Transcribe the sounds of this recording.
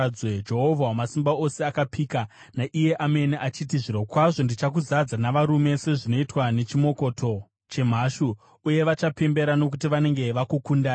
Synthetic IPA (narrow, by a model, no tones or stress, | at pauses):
d͡zwed͡ʒeɦovʱawamasimbao̞seakapʰika | naʔije̞ʔame̞niʔat͡ʃitiʐiɾokwaʐo̞ndit͡ʃakuzad͡zanaʋaɾume̞se̞ʐino̞itwane̞t͡ʃimo̞ko̞tʰo̞ | t͡ʃe̞m̤aʃuː | je̞ʋat͡ʃape̞mbe̞ɾano̞k̬utiʋane̞ŋɡe̞ʋakukundaː